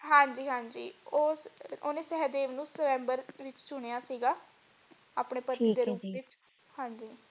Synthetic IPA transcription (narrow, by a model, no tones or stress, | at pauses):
ɦãːɲd͡ʒiːɦãːɲd͡ʒḭːoːo̰ːnẽːsɛːd̪eːʋnũːsəʋɛ̃ːmbəɾʋɪt͡ʃt͡ʃʊɽ̃eːjaːsiːɡaː | a̰ːpɳeːpət̪niːd̪eːɾuːpʋɪt͡ʃ | hãːɲd͡ʒiː